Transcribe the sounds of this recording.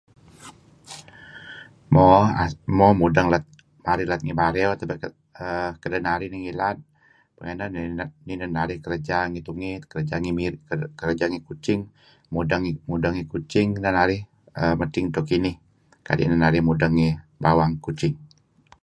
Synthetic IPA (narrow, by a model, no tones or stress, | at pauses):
mɔamɔmudaŋlat̪̚ | maɾilat̪̚ŋibaɾɛot̪əba | əkədanaɾiniŋilat̪̚ | pəŋananninanaɾihkəɾd͡ʒaŋit̪uŋikəɾd͡ʒaŋimkəɾəd͡ʒaŋikut͡ʃɪŋ | mudaŋmudaŋikut͡ʃɪŋnanaɾɪh | əmət̪ɪŋt̪okinɪh | ka̰dḭʔnanaɾɪhmudaŋːibawaŋkut͡ʃɪŋ